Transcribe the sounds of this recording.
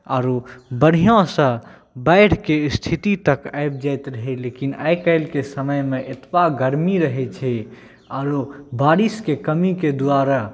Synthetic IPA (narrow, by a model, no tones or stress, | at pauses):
ɔːɾobəɽ̤ijõsə̃ | bəɪɽ̤kest̪ʰit̪it̪əkaɪb̚d͡ʒaɪt̪ɾəɦelekinə̰jkəɪlkesəməjmeʔet̪baɡəɾmiɾəɦɛt͡ʃʰɛ | ɔːɾobaɾiskekəmiked̪uaɾa